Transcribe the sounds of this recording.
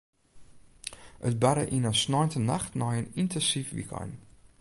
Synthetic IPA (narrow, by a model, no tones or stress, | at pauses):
ʔətbaɾə̰ʔinənsnɔjntənaxtnɔjənintʰɛnsifʋḭkɔ̰n